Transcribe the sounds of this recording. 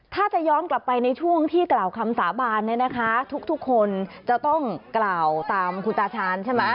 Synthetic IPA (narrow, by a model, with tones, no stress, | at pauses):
t̪ʰaː˥˩t͡ɕa˨˩jɔː˦˥nkla˨˩pːa˧jna˧jt͡ɕʰu˥˩əŋt̪ʰiː˥˩klaː˨˩wkʰa˧msaː˩˦baː˧nː˦˥na˦˥kʰa˦˥t̪ʰu˦˥k̚t̪ʰu˦˥kʰːo˧nt͡ɕa˨˩t̪ɔ˥˩ŋklaː˨˩wt̪aː˧mkʰu˧nt̪aː˧t͡ɕʰaː˧nt͡ɕʰe˥˩ma˦˥